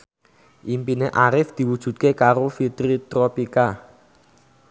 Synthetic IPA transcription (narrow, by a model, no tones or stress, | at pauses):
ʔimpineʔaɾɪfd̪̥i̤wud̥ʒ̥ṳt̪̚kekaɾofit̪ɾit̪ɾɔpika